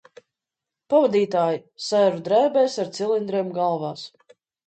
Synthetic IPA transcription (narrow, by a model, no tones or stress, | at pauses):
pavad̪iːt̪aːjisɛːɾud̪ɾɛːbɛːsaɾt̪silˠind̪ɾiːmɡalˠvaːs